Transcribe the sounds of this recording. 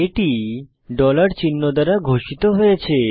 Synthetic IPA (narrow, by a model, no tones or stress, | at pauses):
eʈi | ɖɔlaɾt͡ɕinːod̪aɾaɡʱoʃit̪oɦojet͡ɕʰe